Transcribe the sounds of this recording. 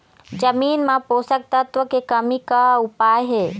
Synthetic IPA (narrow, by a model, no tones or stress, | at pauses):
d͡ʒɐmiːnmãpoːsək̚t̪ɐt̪ʋəkekɐmikaʊpaːjɦeː